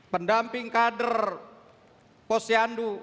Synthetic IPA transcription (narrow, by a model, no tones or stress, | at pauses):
pəndampɪŋkadər | pɔsiandu